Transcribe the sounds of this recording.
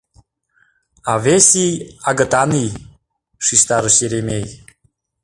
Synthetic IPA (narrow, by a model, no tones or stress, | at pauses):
ɑvʲesʲijɑɡə̆t̪ɑnij | ʃiʃt̪ɑɾəʃjeɾemʲej